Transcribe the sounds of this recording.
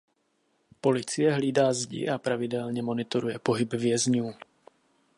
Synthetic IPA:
po̞lɪt͡sɪjɛɦliːdaːzɟɪ̰ʔapɾavɪdɛlɲɛmo̞nɪt̪oɾujɛpo̞ɦɪbvjɛzɲuː

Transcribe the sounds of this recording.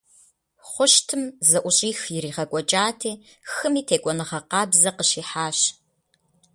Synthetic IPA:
χʷʊʃtʰɨmzɐʔʷʊɕʼiːxjɪɾiːʁɐkʷʼɔt͡ʃʼaːtʰeː | xɨmiːtʰeːkʷʼɔnɨʁɐqɑːbzɐqəɕiːħaːɕ

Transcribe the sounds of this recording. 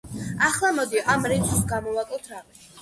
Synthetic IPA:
aχlˠamɔd̪iʔamɾitsɡamɔvakʼɔt̪ʰɾavi

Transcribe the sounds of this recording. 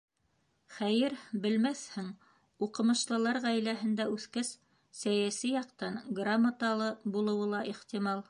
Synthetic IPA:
χæjɘɾbɘ̆lmæθhɘŋ | uqɤ̆mɤ̆ʃlˠɤ̆lˠɑɾʁæjlæɦɘ̆nd̪æʉθkæs | sæjæsijɑqt̪ɑnɡramːat̪ɑlˠɤbulˠɤ̆wɤlˠɑʔiχt̪imɑlˠ

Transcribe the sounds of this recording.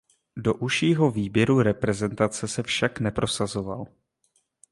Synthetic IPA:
do̞ʔuʃiːɦo̞viːbjɛɾuɾɛpɾɛzɛnt̪at͡sɛsɛfʃaknɛpɾo̞sazo̞va̰l

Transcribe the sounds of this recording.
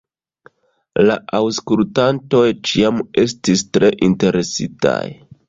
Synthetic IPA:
laʔawskultanto̞jt͡ʃiame̞stistɾe̞ʔinte̞ɾe̞sita̰j

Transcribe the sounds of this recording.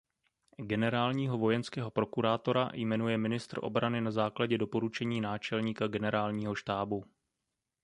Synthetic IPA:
ɡɛnɛɾaːlɲiːɦo̞vo̞jɛnskɛːɦo̞pɾo̞kuɾaːt̪o̞ɾa̰jmɛnujɛmɪnɪst̪rʔo̞̰bɾanɪnazaːklaɟɛdo̞po̞ɾut͡ʃɛɲiːnaːt͡ʃɛlɲiːkaɡɛnɛɾaːlɲiːɦo̞ʃt̪aːbu

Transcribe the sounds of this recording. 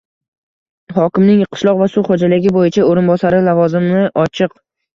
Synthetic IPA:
hɒkʲɪmnɪŋqʰɨ̥ʃlˠɒqvasʊχod͡ʒalɪɡʲɪbojɪt͡ʃʰaoɾɪnbɒsaɾɪlavɒzɪmnɪʔɒt͡ʃʰɨq

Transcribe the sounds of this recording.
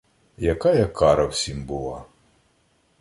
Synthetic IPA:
jakajɐkʰaɾɐwsʲimbɨlˠa

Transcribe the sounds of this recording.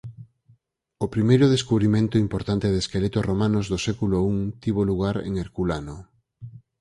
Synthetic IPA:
opɾimejɾʊðeskuβɾimẽnt̪ʊimpoɾt̪ant̪eðeskelet̪oromãnozðosɛkulouŋt̪iβ̞oluɣ̞aɾḛŋeɾkulano

